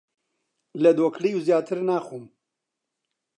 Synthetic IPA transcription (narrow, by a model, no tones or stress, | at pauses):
lɛd̪oːkʰliːuzjaːt̪ʰɨɾnaːxuːm